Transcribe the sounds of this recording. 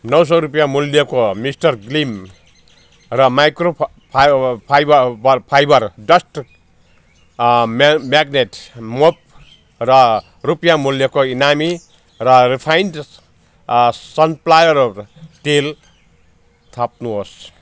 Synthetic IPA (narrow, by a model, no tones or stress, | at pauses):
nʌws̬ʌɾupjamuljʌkomisʈʌrɡlim | rʌmajkro | pʰpʰjbʌbʌpʰajbʌrɖʌsʈ | mmaɡneʈmop̚ | rʌ | rupjamuljʌkoinami | rʌripʰajnɖ | sʌnplajʌɾʈel | t̪ʰap̚nuɦos